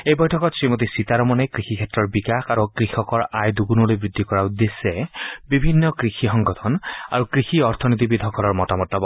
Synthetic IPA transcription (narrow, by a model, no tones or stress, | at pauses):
ejbɔjtʰɔkɔtsɹimot̪isit̪aɾɔmɔnɛkɹixikʰɛtɹɔɹbikaxʰaɹukɹixʰɔkɔɹajd̪uɡunɔlojbɹid̪ʱːikɔɹaud̪esɛbibʱinːɔkɹixʰixɔŋɡɔt̪ʰɔna̰ɹukɹixiɔɹt̪ʰɔnit̪̬ibid̪ʱɔkʰɔlɔɹmɔtamɔtːɔbɔ